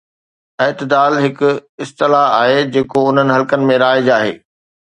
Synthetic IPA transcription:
ɐɦt̪ɪd̪aːlɦɪkʊɪst̪ɪlaaːɦed͡ʑeːkoʊn̤ənɪ̆ɦɐlkənɪ̆mẽɾaːɪd͡ʑaːɦḛː

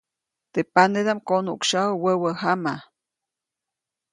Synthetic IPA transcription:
t̪epaned̪amkonukʃawəwəwəɦama

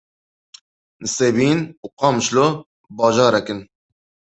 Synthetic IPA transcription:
nɨseːbiːnuqɑːmʃlo | bɑːʒɑːɾɛkɨn

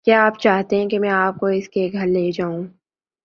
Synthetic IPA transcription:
kjaːaːpt͡ʃaːɦt̪eɦɛ̃kimɛ̃aːp̚koɪskeɡʱɐɾleːd͡ʒaːũː

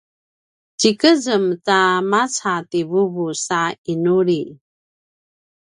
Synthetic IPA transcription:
t͡ɕikəzəmtamat͡sativuvusainuɾi

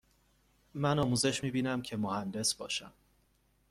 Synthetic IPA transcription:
mænɒːmuːze̞ʃmiːbiːnæmcʰe̞mohænd̪e̞sbɒːʃæ̰m

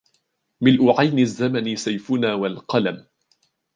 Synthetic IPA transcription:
mɪlʔʊʕajnɪzːamanɪsajfʊnaːwalqɑlam

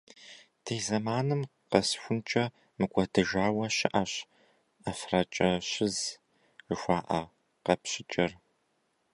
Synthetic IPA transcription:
d̥ʰeːzɐmaːnɨmqɐsxʷʊnt͡ʃʼɐ | mɨɡʷʼɐdʰɨʒaːwɐɕɪʔaɕ | ɐfrat͡ʃʼɐɕɪz | ʒʷaːʔɐ | qɐpɕɪt͡ʃʼɐr

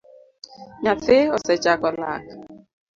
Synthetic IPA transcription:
ɲafɪɔsɛt͡ʃʼakɔla̰k

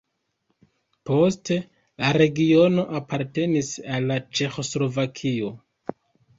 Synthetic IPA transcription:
po̞ste̞ | laɾe̞ɡio̞no̞ʔapaɾte̞nisalːat͡ʃe̞xo̞slo̞vakʰio̞

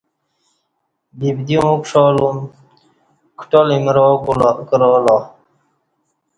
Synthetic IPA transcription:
bibd̪iõkʂɔlum | kʰʈolimɾoːkulkɾɔːlɑ

